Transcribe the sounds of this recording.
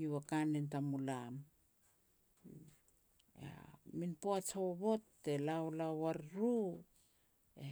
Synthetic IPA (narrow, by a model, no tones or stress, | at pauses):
iwakanentamulam | a̰minpoat͡ʃoβotːelaolawaɾɾu | e